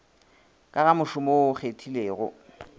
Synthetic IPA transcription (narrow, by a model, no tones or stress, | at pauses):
kʼaɣamʊʃʊmoʊk͡xetʰileːɣʊ̰